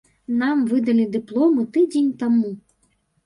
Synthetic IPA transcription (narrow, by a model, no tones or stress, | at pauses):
namvɨd̪ɐlʲid̪ɨplˠɔmɨt̪ɨd͡zʲenʲt̪amu